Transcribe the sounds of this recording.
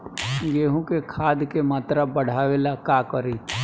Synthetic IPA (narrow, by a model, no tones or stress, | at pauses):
ɡeːɦũkekʰaːd̪kemaːt̪ɾabəɽ̤aːʋelakakəɾiː